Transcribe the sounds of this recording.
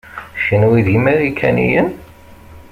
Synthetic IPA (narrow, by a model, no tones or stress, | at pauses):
ʃinwiðimiʁikʰæ̰nḭjən